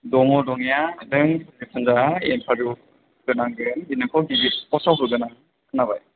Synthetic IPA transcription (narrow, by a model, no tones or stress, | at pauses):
dɔŋɔdɔŋjadɯŋsipʰɯnzaenpʰaɾu | ɡɯnaŋɡɯninɯkʰɔɡibiɔsawɦuɡɯnaŋ | kɯnabaj